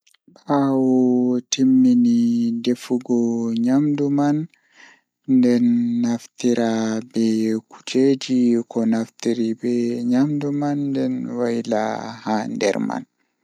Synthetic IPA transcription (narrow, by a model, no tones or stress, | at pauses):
ɓawɔtimːinidefuɡɔɲamdumanː | dɛnːaftiɾabɛku̥d͡ʒed͡ʒikɔnaftiɾibɛɲamdumanːdɛnwajila̰handɛ̰ɾma̰n